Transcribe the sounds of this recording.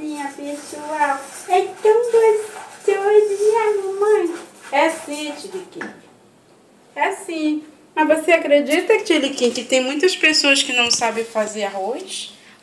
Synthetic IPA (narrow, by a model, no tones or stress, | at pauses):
mĩɲɐpesuawɛt̪ɐ̃w̃t̪essewed͡ʒiiamũmɐ̃j̃ɛasĩt͡ʃilikḭ̃ | ɛasĩ | mɐzvoseakɾed͡ʒit̪ɐt͡ʃilikĩkɪt̪ẽj̃mũj̃t̪ɐspesoɐskɪnɐ̃w̃sabẽj̃fazeɾaɦojs